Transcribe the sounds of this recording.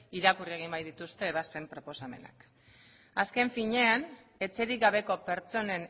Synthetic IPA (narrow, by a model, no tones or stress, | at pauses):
iɾakurie̞ɣ̞imbajðit̪ust̪e̞ːβaspe̞mpɾo̞po̞same̞̰na̰k | aske̞ɱfiɲe̞an | e̞t͡se̞ɾiɡaβe̞ko̞pe̞ɾt͡so̞ne̞n